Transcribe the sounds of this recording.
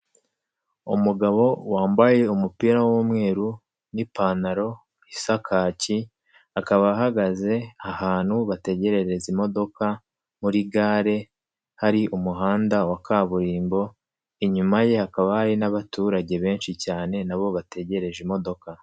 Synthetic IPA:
umuɡaβo̞waːmbaje̞umupiɾawomŋe̞ːɾu | nipaːnaɾo̞ | isakʰaːci | akaβaɦaɡaze̞ahaːn̥huβate̞ɟe̞ɾe̞ɾe̞zimo̞do̞ka | muɾiɡaːɾe̞ | haɾiʔumuɦaːndawakʰaːβuɾiːmbo̞ | iɲumaje̞hakaβahaɾinaβatuːɾaɟe̞βe̞ːnʃicaːne̞naβo̞βate̞ɟe̞ɾe̞ʒimo̞do̞ka

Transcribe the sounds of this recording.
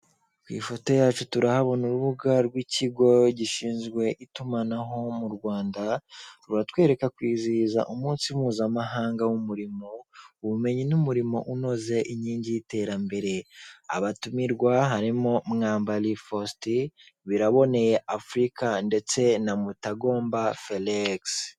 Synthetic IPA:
kwḭːfo̞to̞jaːt͡ʃutuɾahaβo̞nuɾuβuɡaɾɡwiciɡo̞ɟiʃiːnzɡwe̞ʔitumanaɦo̞muɾɡwaːndaɾuɾatwe̞ːɾe̞kakwiːziːza̰ʔumuːnsimuːzamaɦaːŋɡawumuɾimo̞uβume̞ɲinumuɾimo̞̰ʔuno̞ze̞ʔiɲiːɲɟijite̞ːɾambe̞ɾe̞a̰βatumiɾɡwaɦaɾimo̞mŋaːmbalifosti | βiɾaβo̞ne̞je̞ʔafɾikande̞t͡se̞namutaɡo̞ːmbafeleks

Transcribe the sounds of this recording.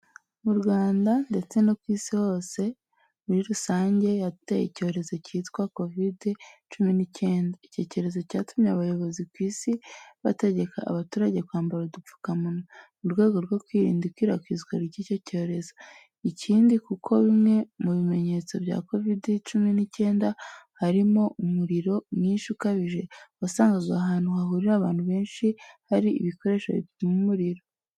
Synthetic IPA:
muɾɡwaːndande̞t͡se̞nokwiːsiho̞ːse̞ | muɾiɾusaːɲɟe̞jatejḭco̞ːɾe̞zo̞citkwako̞vidit͡ʃuminice̞ːndaice̞co̞ɾe̞zo̞caːtumɲeaβajo̞βo̞zikwiːsiβate̞ɟe̞ka̰ːβatuːɾaɟe̞kwaːmbaɾadufu̥kamunomuɾɡwe̞ːɡoɾɡwokwiːɾḭːndikwiɾakwiːzɡwaɾiɟico̞co̞ːɾe̞zo | icʰiːndikukʰo̞βimŋe̞muβime̞ɲe̞t͡so̞bja̰ːko̞vidit͡ʃuminice̞ːndahaɾimo̞ʔumuɾiɾo̞miːnʃukaβiʒe̞βasaːŋɡazɡaːɦaːnhuɦaɦuɾiɾaβaːn̥huβe̞ːnʃihaɾiḭβiko̞ɾe̞ʃo̰βḭmumuɾiɾo̞

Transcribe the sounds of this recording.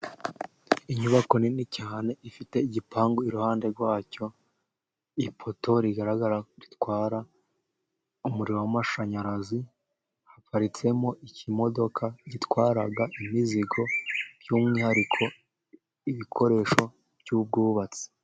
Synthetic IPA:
iɲuβako̞ninicaːne̞ifite̞iɟipʰaːŋɡoiɾuhaːnde̞ɾɡwaːco̞ | ipʰo̞to̞ɾiɡaɾaɡaɾaɾitwaːɾa | umuɾiɾowamaʃaɲaɾazi | hafaɾit͡se̞moʔicimo̞do̞kʰaɟitwaːɾaɡaʔimiziɡo̞bjuːmŋiːhaɾikʰo̞ | iβikʰo̞ɾe̞ːʃo̞ | b̥juːb̚ɡuːβat͡si̥

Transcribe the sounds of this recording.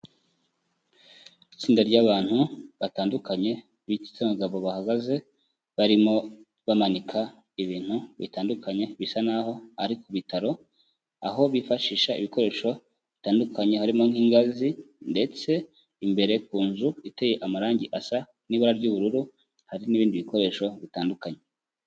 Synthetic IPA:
it͡siːndaɾɟaːβaːn̥huβataːndukaɲe̞ | βici̥t͡samuɡaβo̞βahaɡaze̞ | βaɾimo̞ | βamanikʰa | iβiːn̥huβḭtaːndukʰaɲe̞βisanaho̞haɾikuβitaɾo̞ | aɦo̞βifaʃiːʃaḭβiko̞ɾe̞ːʃo̞ | βitaːndukʰaɲe̞haɾimo̞ŋhiːŋɡazi | nde̞t͡se̞ | imbe̞ɾe̞kuːnzuiteje̞ʔamaɾaːɲɟiʔasa | niβoɾaɾɟuβuɾuɾu | haɾiniːβiːndiβiko̞ɾe̞ːʃo̞βitaːndukaɲe̞

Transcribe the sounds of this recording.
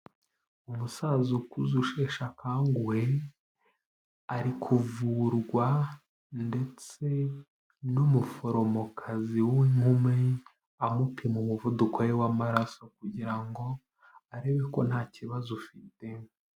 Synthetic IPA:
umusazukuzuʃe̞ʃakaːŋɡuwe | aɾikʰuvuɾɡwa | nde̞t͡se̞ | numufo̞ɾo̞mokʰaziwiŋhume | amupiemumuvudukojewamaɾaso̞kuɟiɾaŋɡo̞ | aɾe̞βe̞ko̞n̥haːciβazofite

